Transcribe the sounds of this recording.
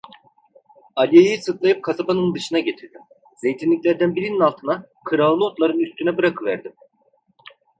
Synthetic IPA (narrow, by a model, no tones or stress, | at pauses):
alʲijejisɯt̪lˠajɯp̚kʰazabanɯnd̪ɯʃɯnaɟe̞t̪ʰiɾd̪im | z̥e̞jt̪ʰinlʲicʲlʲæɾd̪ænbiɾininalˠt̪ʰɯna | kʰɯɾalˠlˠɯot̪lˠaɾɯnyst̪ʰynɛbɯɾakʰɯvæ̰ɾd̪im